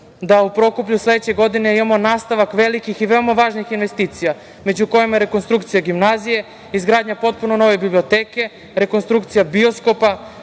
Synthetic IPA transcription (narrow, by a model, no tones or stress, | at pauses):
d̪aupɾo̞kup̬ʎusled̪et͡ɕeɡo̞d̪ine̞imamo̞naːst̪aʋakʋelikixiʋe̞omaʋaːʒnixinʋe̞st̪iːt̪sija | me̞d͡ʑuko̞jimaɾeko̞nst̪ɾukt̪sijaɡimnazije̞ | izɡɾaːd̪ɲapo̞t̪̚puno̞no̞ʋebiblio̞t̪eːke̞ | ɾe̞ko̞nst̪ɾukt̪sijabio̞sko̞pa